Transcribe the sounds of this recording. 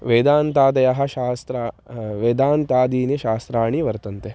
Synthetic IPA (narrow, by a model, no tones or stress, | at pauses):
ʋeːd̪aːnt̪aːd̪ɐjɐɦɐ̆ʃaːst̪ɾaːʋeːd̪aːnt̪aːd̪iːniʃaːst̪ɾaːɳiʋɐɾt̪ɐnt̪e